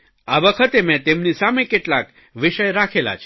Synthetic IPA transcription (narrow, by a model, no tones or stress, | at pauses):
aʋəkʰət̪emɛ̃t̪emnisamekeʈlak | ʋɪʃəjɾakʰela̰t͡ʃʰ